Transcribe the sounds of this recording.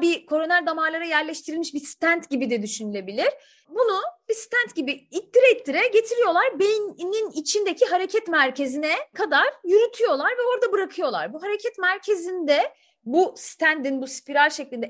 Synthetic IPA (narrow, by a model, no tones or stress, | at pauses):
bikʰo̞ɾonɛlʲd̪amaːlˠaɾajæɾlʲɛʃt̪ʰiɾilmiʃbisi̥t̪ʰænt̪ɟibid̪ɛd̪yʃynylʲe̞bilʲiɾ̥ | bunubisi̥t̪ʰænt̪ɟibiit̪d̪iɾɛit̪ːiɾɛɟe̞t̪ʰiɾijo̞lˠaɾbejnninit͡ʃʰind̪ecʰiɦaɾe̞cʰɛt̪mæɾce̞zinɛkʰad̪aɾ̥jyɾyt̪ʰyjo̞lˠaɾvɛo̞ɾd̪abɯɾakʰɯjo̞lˠa̰ɾbuɦaɾecʰɛt̪mæɾcʰe̞zind̪ɛ | bust̪ʰænd̪inbuspiɾalʲʃeclʲind̪ɛ